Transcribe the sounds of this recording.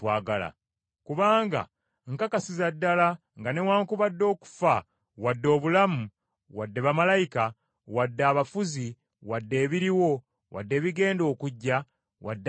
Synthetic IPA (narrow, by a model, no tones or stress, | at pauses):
waːɡala̰ | kuβaːŋɡa̰ | ŋkakasizadːala | ŋɡane̞waːŋkuβadːo̞ːku̥fa | wadːo̞ːβulamu | wadːeβamalajika | wadːaːβafuzi | wadːe̞ːβiɾiwo̞ | wa̰dːe̞ːβiɡe̞ːndo̞ːkuɟːa | wa̰dː